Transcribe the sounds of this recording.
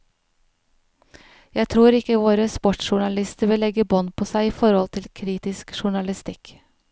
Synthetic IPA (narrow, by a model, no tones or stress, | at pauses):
jæɪt̪ʰɾuːɾɪkəʋoːɾəspɔʈʃʊɳɑlɪst̪əɾʋɪlɛɡəbɔnpʰoːsæɪiːfɔɾhɔlt̪ʰɪlkʰɾiːt̪ɪskʃʊɳɑlɪst̪ɪk